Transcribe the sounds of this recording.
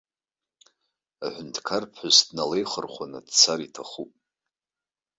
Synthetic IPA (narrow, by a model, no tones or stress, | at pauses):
aħʷʊntʰkʰarpʰħʊzdnalejχərχʷanɨ̰d̥t͡sʰaɾitʰaχupʼ